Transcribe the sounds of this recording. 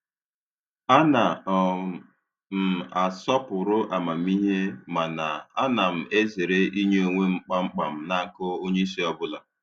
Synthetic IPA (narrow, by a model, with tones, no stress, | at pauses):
a˦na˨ | m̩˨a˨sɔ˦pʊ˨ɾʊ˦ʔa˨ma˨m̩˦i˦ɦe˦ma˨na˨a˦na˨m̩˨e˦ze˨ɾe˦ʔi˦ɲe˦o˨ŋʷe˦ŋ͡m̩˦k͡pa˦ŋ͡m̩˦k͡pa˨m̩˦˨na˨˦kʊ˦o˦ɲe˦i˦si˦ɔ˦bʊ˦la˨